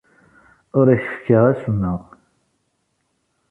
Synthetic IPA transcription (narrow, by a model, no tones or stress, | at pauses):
ʊɾiçfkːəʁæsənːəʁ